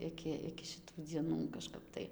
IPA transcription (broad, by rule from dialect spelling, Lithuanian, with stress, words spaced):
ˈɪkʲɪ ɪkʲɪ ʃʲɪˈtuː d͡zʲiɛˈnuː kɐʃˈkɐp tɐɪ